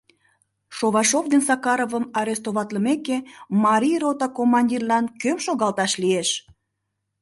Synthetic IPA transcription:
ʃoβɑʃovd̪ensɑkɑɾovəmɑɾest̪oβɑt̪ləmekemɑɾʲijrot̪ɑkomːɑnʲdʲirlɑnkøpʃoɣɑlt̪ɑʃlieʃ

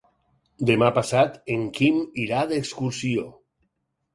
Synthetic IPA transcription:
d̪emapasat̪eŋkimiɾaðekskuɾsio

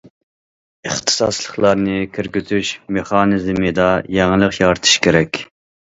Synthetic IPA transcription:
ɨχt̪ʰɨ̥sɑ̰slˠəχlˠɑɾnɨkʲʰeɾɡʲyzyʃmeχɑːnɨzɪmɨd̪ɑjɛŋɨlˠəqjɑɾɨt̪ʰɨ̥ʃkʲʰeɾɛkʲ

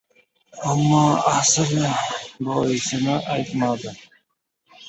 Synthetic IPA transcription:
amːɒːasɪlbɒːɪsɪnɪʔajt̪mad̪ɪ

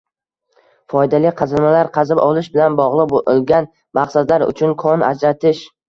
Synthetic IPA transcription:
fɒjd̪alɪqʰɑzamalaɾqʰɑzɪbɒlˠɪʃbɪlanbɒʁlˠɨqbolˠɡʲan | mɑqsad̪laɾʊ̰t͡ʃʰʊnkʰɒna̰d͡ʒɾat̪ʰɪʃ

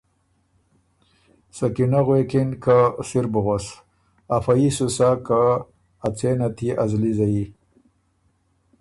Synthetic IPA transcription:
sakinaɣwekinkasiɾbuɣos | afaisusakaː | t͡senat̪ʰiazlizai

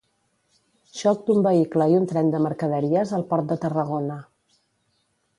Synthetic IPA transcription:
ʃɔk̚d̪umbəikləiunt̪ɾɛnd̪əməɾkəð̞əɾiəzəlˠpɔɾt̪̚d̪ət̪ərəɣ̞onə

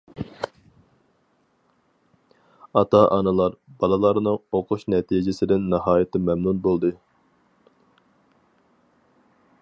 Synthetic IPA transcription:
ɑt̪ʰɑʔɑnɨlˠɑɾbɑlˠɨlˠɑɾnɨŋoqʰʊʃnɛt̪ʰid͡ʒɪsɪd̪ɪnːɨhɑːjɪt̪ʰɪmɛmnunbolˠd̪ɨ

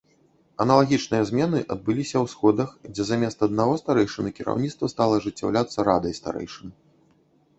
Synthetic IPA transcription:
ɐnɐlˠaɣʲit͡ʂnɨjɐzʲmʲɛnɨʔɐd̪̚bɨlʲisʲɐwsxɔd̪ɐxd͡zʲɛzamʲɛst̪ɐd̪naɣɔst̪aɾɛjʂɨnɨkʲiɾa̰wnʲit̪st̪vɐst̪alˠɐʐɨt͡sʲːa̰wlʲat̪sːɐɾad̪ɐjst̪a̰ɾɛ̰jʂɨn

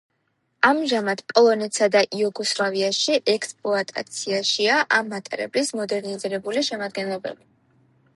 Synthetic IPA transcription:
amʒamad̪̥pʼɔlˠɔnɛt̪sad̪aʔiuɡɔslˠaviaʃiʔɛkspʼlˠɔat̪ʼa̰t̪sʰiaʃiaʔamːat̪ʼɛɾɛ̰blismɔd̪ɛɾniziɾɛbuliʃɛmad̪̚ɡɛnlˠɔbɛ̰bi

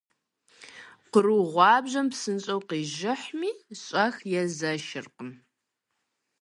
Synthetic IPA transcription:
qəɾuʁʷɑːbʑɐmpsɨnɕʼɐwqiːʒɪħmiːɕʼɐxjɛzɐʃɪrqəm

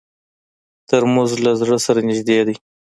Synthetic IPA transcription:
t̪əɾmʊzlazɽəsaɾanɪʒd̪ed̪i

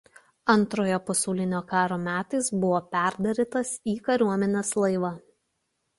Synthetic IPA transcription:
ɐnˑt̪ɾoːjoːpɐsʲɐʊlʲɪnʲoːkɑːɾoːmʲæːt̪ɐɪsbʊʋoːpʲæˑɾd̪ɐɾʲɪt̪ɐsiːkɐɾʲuɔmʲɛnʲeːslˠɐɪʋɐ

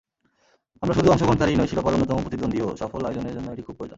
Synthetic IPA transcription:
amɾaʃud̪uɔŋʃoɡʱɔnt̪aɾejnojʰilopaɾonːot̪ɔmopɾot̪id̪ːond̪ʱioʃɔfolajloneɾd͡ʑonːoeʈikʰub̚koed͡ʑo̰n

